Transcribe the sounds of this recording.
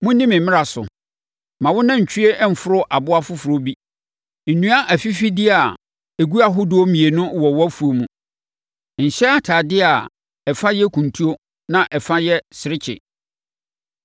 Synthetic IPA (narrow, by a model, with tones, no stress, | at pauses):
mʊ̃˦nĩ˦mɪ̃˨mɪ̃˦ɾa˨sʊ̰˨ | mã˨wʊ˦nã˦ɲ̩˨t͡ɕʰᶣi˦e˦ʔm̩˨fʊ˦ɾʊ˦ʔa˨bʊ˦a˦fʊ˦fʊ˨ɾo˦bi˦ | n̩˨nũ˦a˦ʔæ˨fi˦fi˦dɪ˦a˨ | e˨ɡu˦a˦ɦʊ˦dʊ˦o˦mĩ˨e˨nʊ̃˦wɔ˨wɔ˦æ˦fu˨o˨mũ˨ | ɲ̩˨ɕɛ˦a˦tʰaː˨dɪ˦a˨ | ɛ˨fa˦jɛ˦kʰũ˨ntʰu˦o˦ | nã˨ʔɛ˨fã˦jɛ˦sɪ˨ɾɪ˦t͡ɕʰɪ̰˨